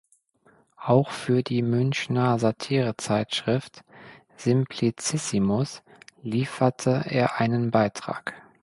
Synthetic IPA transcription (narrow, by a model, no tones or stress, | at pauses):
ʔaʊxfyːɐdiːmʏnçnɐzatʰiːʁət͡saɪtʃʁ̥ɪft | z̥ɪmpʰlit͡sɪsimʊsliːfɐtʰəʔḛːɐʔaɪnənbaɪtʁ̥a̰ːk